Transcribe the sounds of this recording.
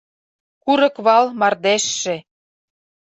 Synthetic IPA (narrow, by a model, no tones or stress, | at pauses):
kuɾɤ̆kβɑlmɑrd̪eʃːĕ